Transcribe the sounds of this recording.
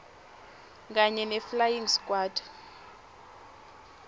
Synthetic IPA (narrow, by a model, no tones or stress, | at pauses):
k̬aɲɛnɛflajiŋskʼwaːdʰʱʼḁ